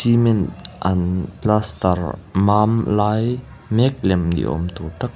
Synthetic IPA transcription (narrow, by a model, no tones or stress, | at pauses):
imenʔɐnplast̪ɐɾmamlaj | mek̚lɛmnḭʔɔ̰mt̪ʰoʈak̚